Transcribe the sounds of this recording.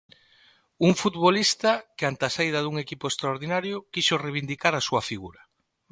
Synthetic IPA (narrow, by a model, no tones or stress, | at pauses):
uŋfut̪βolist̪akɪant̪asaiðaðuŋekipoest̪ɾaoɾðinaɾjʊkiʃoreβind̪ikaɾasuafiɣuɾɐ